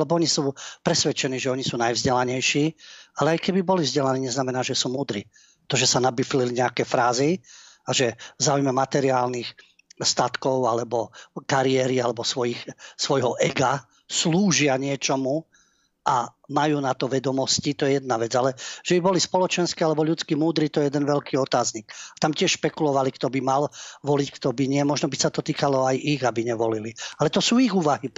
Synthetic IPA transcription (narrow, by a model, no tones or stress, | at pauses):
lɛbɔɔɲisuːpɾɛsʋɛt͡ʃɛniːʒɛɔɲisuːnajvzɟɛlaɲɛjʃiːalɛajkɛbibɔlivzɟɛlaniːɲɛznamɛnaːʒɛsuːmuːd̪ɾḭː | t̪ɔʒɛsanabifliliɲɛakɛfɾaːziaʒɛvzaːujmɛmat̪ɛɾiaːlnix | st̪at̪kɔʊalɛbɔkaɾiɛɾialɛbɔsʋɔjixsʋɔjɦɔʔɛɡa | sluːʒɪaɲɪɛt͡ʃɔmu | ʔa | majuːnat̪ɔʋɛd̪ɔmɔscit̪ɔjɛjɛd̪̚naʋɛd͡zalɛʒ̥ɛbibɔlispɔlɔt͡ʃɛnskialɛbɔʎut͡skimuːd̪ɾiːt̪ɔjɛjɛd̪ɛnʋɛʎkiːɔt̪aːzɲikat̪amcɪɛʃʃpɛkulɔʋalikt̪ɔbimalʋɔlickt̪ɔbiɲɪɛmɔʒnɔbisat̪ɔt̪iːkalɔajʔiɣabiɲɛʋɔlilialɛt̪ɔsuːiɣuːʋaɦi